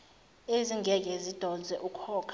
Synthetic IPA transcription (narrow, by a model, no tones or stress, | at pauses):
eziŋɡʱɛk̬ʼɛzid̥ʱɔnd͡zʱɛʔukʰɔːkʰ